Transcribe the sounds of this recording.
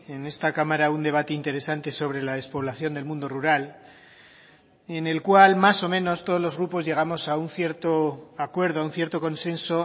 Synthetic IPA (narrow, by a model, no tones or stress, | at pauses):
e̞ne̞st̪akamaɾaund̪e̞β̞at̪eint̪e̞ɾe̞sant̪e̞so̞β̞ɾe̞laðespo̞β̞laθjo̞nd̪e̞lmũnd̪o̞ruɾal | ene̞lkwalmaso̞mẽ̞no̞st̪oð̞o̞zlo̞zɣɾupo̞zʝe̞ɣ̞amo̞saun̟θje̞ɾt̪oakwe̞ɾð̞oaunθje̞ɾt̪o̞kõ̞nsẽ̞nso̞